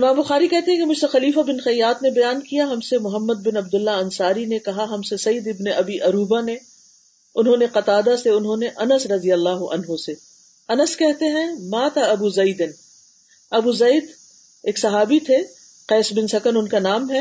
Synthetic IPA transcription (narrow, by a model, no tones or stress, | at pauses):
ɪmãːmbʊxaːɾikɛɦt̪ẽɦɛ̃kemʊd͡ʒʱsexɐliːfabɪnxɐjːaːt̪nebɐjaːnkijaɦɐmsemʊɦəmːəd̪̚bɪnɐb̚d̪ʊlːaɐ̃nsaːɾinekɐɦaɦɐmsesɐjd̪ɪbneʔɐbiʔɐɾuːbane | ʊnɦõneqɐt̪aːd̪aseʊnɦõːneʔɐnəsɾɐd̪ijəlːaːɦʊʔɐ̰nɦose | ɐnəskɛɦt̪eɦɛ̃mãːt̪ʰaɐbuːzɐid̪ɪn | ɐbuːzɐid̪ | eːksɐɦaːbit̪ʰe | qɛːsbɪnsɐkənʊnkanaːmɦɛ